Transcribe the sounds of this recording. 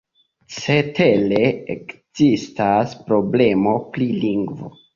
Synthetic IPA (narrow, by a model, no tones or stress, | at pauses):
t͡setʰeleekz̥istaspɾo̞ble̞mo̞pɾiliŋɡvo̰